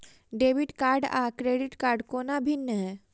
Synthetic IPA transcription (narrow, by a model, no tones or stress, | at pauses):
ɖeʋiʈkaɾɖa̰kɾeɖiʈkaɾɖkonabʱinːəɦɛː